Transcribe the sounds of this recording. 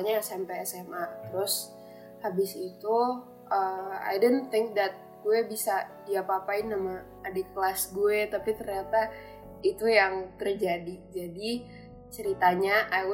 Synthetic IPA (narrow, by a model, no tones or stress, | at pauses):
ɲasampɛjɛsɛmʔat̪əɾʊs | habɪsit̪u | əa̰jdont̪ɪŋk̚d̪at̪̚ɡuɛbisadiapaapaɪnːamaː | dɛkəlasɡuɛt̪apit̪ərɲat̪a | it̪ujaŋt̪ərd͡ʒadid͡ʒadi | t͡ʃəɾit̪aɲaʔa